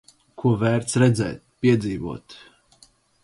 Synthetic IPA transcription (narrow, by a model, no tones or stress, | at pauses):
kʰuɔvæːɾt̪sɾɛd̪zɛ̰ːt̪̚pʲiɛd̪ziːvṵɔt̪